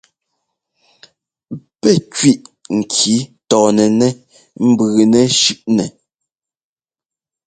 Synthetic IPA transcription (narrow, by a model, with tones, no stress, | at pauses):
pɛ˦˨kɥi˦ʔŋ̩˨kʰi˨˦tɔː˨nɛ˨nɛ˦ | m̩˦bʉː˨nɛ˨ʃʉ˦˨ʔnɛ˨